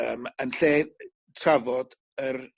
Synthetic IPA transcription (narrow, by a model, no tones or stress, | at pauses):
əːmənɬeː | tʰravɔd | ər